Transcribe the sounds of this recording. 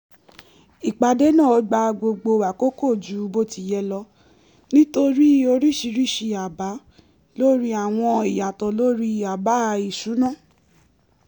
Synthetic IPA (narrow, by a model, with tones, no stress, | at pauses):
i˨k͡pa˧de˦nã˦˨ɔ˧˦ɡ͡ba˧ɡ͡bo˧ɡ͡bo˧˨wa˨ko˦ko˦˨d͡ʒu˨˦bo˦ti˧˨jɛ˧lɔ˧ | nĩ˦to˧ɾi˦o˧ɾi˦ʃi˧ɾi˦˨ʃi˧a˨ba˨˦ | lo˦ɾi˦a˨w̃ɔ̃˧i˨ja˨tɔ˨˦lo˦ɾi˦a˨ba˨˦˧i˨ʃũ˨˦nã˦˨